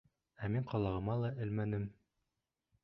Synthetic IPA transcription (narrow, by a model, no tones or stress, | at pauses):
æmiɴqɒlˠɑʁɤ̆mɑlˠɑʔɘ̆lmænɘm